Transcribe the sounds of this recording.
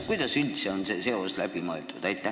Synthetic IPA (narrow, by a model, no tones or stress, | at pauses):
kujd̪̥ɑsylʲt̪seo̞nse̞se̞o̞slæb̥imoelt̪ud̪̥æjt̪ːˑæ